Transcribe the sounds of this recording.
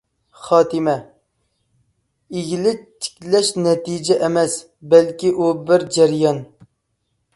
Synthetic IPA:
χɑːt̪ɪmɛ | iɡʲilɪt̪ʰːɪ̥kʲlɛʃnɛt̪id͡ʒɛʔɛmɛs | bɛlkʲiʔubɪɾd͡ʒɛɾjɑn

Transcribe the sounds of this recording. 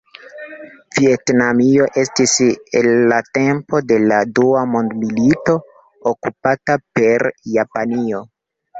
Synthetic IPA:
vietnamio̞ʔe̞stisḛlːate̞mpo̞de̞laduamondmilito̞ | okupatape̞ɾjapanio̞

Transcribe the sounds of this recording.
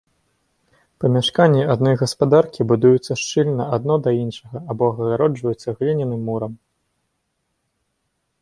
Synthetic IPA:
pɐmʲaʂkanʲːiad̪nɔjɣɐspad̪arkʲibud̪ujut̪sːɐʂt͡ʂɨlʲnɐad̪̚nɔd̪ɐinʂɐɣɐabɔɣɐɣaɾɔd͡ʐvɐjut̪sːɐɣlʲinʲinɨmːuɾɐm

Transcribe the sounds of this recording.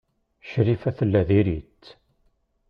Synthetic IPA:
ʃɾifæθəlːæðiɾit̪ː

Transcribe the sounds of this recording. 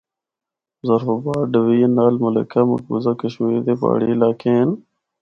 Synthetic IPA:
zəɾfobaːɖəʋiːnaːlmələ̰kʰaːmə̰k̚bṵzaːkəʃmed̪eːpa̰ːɽḭːɪlaːkʰen

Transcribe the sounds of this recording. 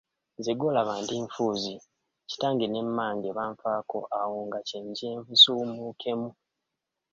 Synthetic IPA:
ziɡo̞laβaːndiɱfuːzi | ci̥taːŋɡine̞mːaːɲɟeβaːɱfaːko̞̰ʔawoŋɡaceɲɟeːɱvusumukʰe̞mu

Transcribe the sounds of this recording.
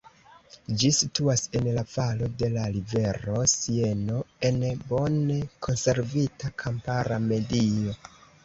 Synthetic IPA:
d͡ʒisituase̞nlavalo̞de̞laɾive̞ɾo̞sie̞no̞e̞nbo̞nekʰo̞nse̞ɾvitakʰampaɾame̞dio̞

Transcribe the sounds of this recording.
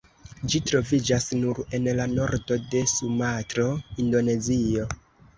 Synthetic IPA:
d͡ʒitɾo̞vid͡ʒasnuɾe̞nlano̞ɾdo̞de̞sumatɾo̞indo̞ne̞zio̞

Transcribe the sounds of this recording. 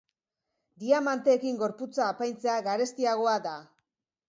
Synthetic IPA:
d̪iamant̪e̞ːkiŋɡo̞ɾput͡saːpajnt͡se̞aɣaɾe̞st̪iaɣ̞o̞ad̪a

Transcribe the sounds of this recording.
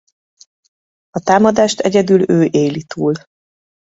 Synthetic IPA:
ɒt̪aːmɒd̪aːʃt̪ʰɛɟɛd̪yløːʔeːjlit̪ʰuːl

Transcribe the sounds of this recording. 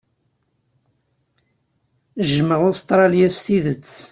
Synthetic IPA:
ʒəməʁʊst̪ˤɾˤɑljæst̪iðət͡sː

